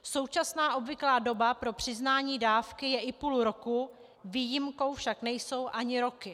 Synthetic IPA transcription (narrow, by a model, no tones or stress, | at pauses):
so̞wt͡ʃasnaːʔo̞bvɪklaːdo̞bapɾo̞pr̝̥ɪznaːɲiːdaːfkɪjɛʔɪpuluɾo̞ku | viːjɪmko̞wfʃaknɛjso̞wʔaɲɪɾo̞kɪ